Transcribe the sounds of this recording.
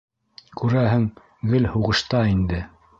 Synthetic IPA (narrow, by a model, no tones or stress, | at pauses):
kʉɾæɦɘŋ | ɡɘlhuʁɤ̆ʃt̪ɑind̪ɘ